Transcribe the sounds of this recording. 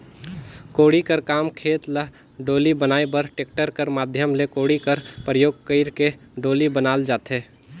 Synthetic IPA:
koːɽikəɾkaːmkʰeːt̪lə | ɖoːlibənaːebəɾʈeːk̚ʈəɾkəɾmaːd̪ʱjəmlekoːɽikəɾpɾəjoːɡ̚kəɪɾke | ɖoːlibənaːld͡ʒaːt̪ɦeː

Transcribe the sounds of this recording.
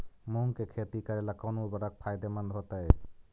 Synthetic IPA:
muŋkekʰet̪ikaɾelakɔnubaɾak̚pʰajd̪emand̪ʱɦɔt̪aje

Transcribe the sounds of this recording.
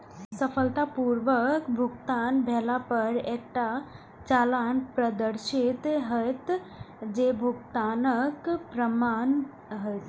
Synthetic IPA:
səfʰəlt̪apuɾʋəkbʱuɡt̪aːnbʱɛlapəɾek̚ʈa | t͡ʃalanpɾəd̪əɾʃit̪ɦəjt̪ | d͡ʒebʱuɡt̪aːnəkpɾəmaːn | ɦəjt̪

